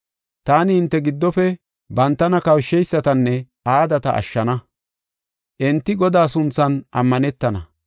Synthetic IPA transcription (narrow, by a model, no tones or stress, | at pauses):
t̪aːnɪɪnt̪ːɛɡɪd̪ːɔfɛ | bɐnt̪ːɐnɐkɐwʃːɛjsːɐt̪ɐnːɛ | aːd̪ɐt̪ɐ̰ʔɐ̰ʃːɐnɐ | ʔɛnt̪ːɪɡɔd̪aːsʊnt͡sːɐnʔɐmːɐnɛt̪ːɐnɐ̰